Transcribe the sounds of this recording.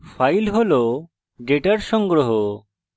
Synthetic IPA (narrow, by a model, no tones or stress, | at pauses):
pʰajlɦolo | ɖeʈaɾʃɔŋɡɾoɦo